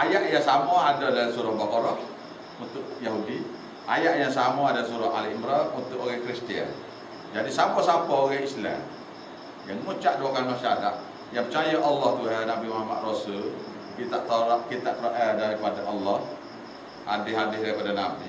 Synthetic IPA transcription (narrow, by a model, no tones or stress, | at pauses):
ʔajaʔjasamaadadalsuɾahbakɔɾɔh | unt̪ʊʔjaɦudi | ʔa̰jaʔjaŋsamaadasuɾahalimɾanunt̪ʊʔoɣahkɾist̪ia̰n | d͡ʒadisapasapɔoɣɛhisla̰m | jaŋmut͡ʃaʔduakanmaʃaada̰ʔ | jaŋpət͡ʃajəʔɑlːɔht̪uɦanabimahama̰t̪̚rosul | kit̪aʔt̪ɔɾaʔ̚kit̪aʔpɾoʔɛhdaɾipadaʔɑlːɔh | a̰dɪhadɪhdaɾipadanabḭ